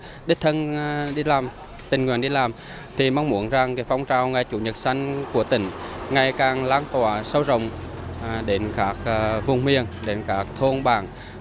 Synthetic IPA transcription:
ɗi˦˥k̚t̪ʰə˧nɗi˧laː˨˩m | t̪ï˨˩ŋ̟ŋwi˨˩ənɗi˧laː˨˩m | t̪ʰi˨˩ma˧wŋ͡mmu˧˩ənza˨˩ŋkaː˨˦jfa˧wŋ͡mt͡ɕaː˧˩wŋa˨˧˩jt͡ɕṵ˧˩˦ɲə˨˩t̚sa˧jŋ̟ku˧˩ət̪ï˨˦ŋ̟ŋa˨˩jkaː˨˩ŋlaː˨˦nt̪waː˧˩˦sə˧wzə̰˧˨wŋ͡m | ɗe˨˦nkaː˦˥k̚ːvʊ˨˩wŋ͡mmi˨˩əŋɗe˨˦nkaː˦˥k̚t̪ʰo˧nɓaː˧˩ŋ

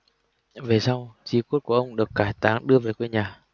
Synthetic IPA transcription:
ve˨˩sa˧wt͡ɕi˨˦ku˦˥t̚ku˧˩ʔə˧wŋ͡mɗɨ˨˩əkːaː˧˩jt̪aː˨˦ŋɗɨ˧əveː˨˩jkwe˧nɲaː˨˩

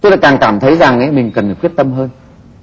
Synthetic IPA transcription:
t̪o˧jla̰˧˥kaː˨˩ŋkaː˧˩mt̪ʰə˨˦jza˨˩ŋʔə˨˦jmï˨˩ŋ̟kə˨˩nːə˨˩kwi˦˥t̪̚ə˧mɦəː˧n

